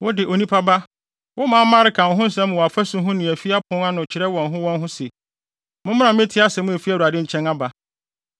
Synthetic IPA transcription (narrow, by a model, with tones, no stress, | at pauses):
wʊ˦dɪ˨ʔo˨nĩ˦pʰa˦ba˦ | wʊ˦mãː˦mã˦ɾɪ˨˦kʰã˨n̩˨ɦʊ̃˦n̩˦sɛ̃˦m˨ɔ˨a˨fæ˦sʊ̃˦ɦʊ̃˦nɪ̃˨æ˨fi˦a˦pʰʊ̃˦a˦nʊ̃˨t͡ɕʰɪ˨ɾɛ˦wɔ̃˨nɦʊ̃˦wɔ̃˦nɦʊ̃˦se˨ | mʊ̃˦m̃˦ã˨˦mɪ̃˦tʰɪ˦a˦sɛ˨˦mʊ̃˦æ˨fi˦æ˦˨u˨a˨dɪ̃˦ɲ̩˦t͡ɕʰɛ̃˦na˦ba˨